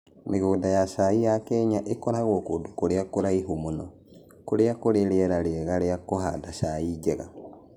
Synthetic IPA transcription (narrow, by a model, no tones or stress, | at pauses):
meɣoːndajaʃaijakɛɲaʔekɔɾaɣwokoːdukoɾeakoɾaiɦumunɔ | koɾeakoɾeɾeɛɾaɾeɛɣaɾeakoɦaːdaʃaid͡ʒɛɣa̰